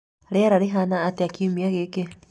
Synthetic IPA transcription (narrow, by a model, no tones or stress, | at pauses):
aɾeaɾaɾeɦanaːteakiumiaɣeke